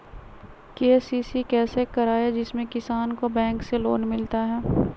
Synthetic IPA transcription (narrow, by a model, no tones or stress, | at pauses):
keːsiːsikɛːsekɐɾaːjed͡ʒɪsmẽkɪsaːnkobɛ̃ːŋkselo̰ːnmɪlt̪aɦɛː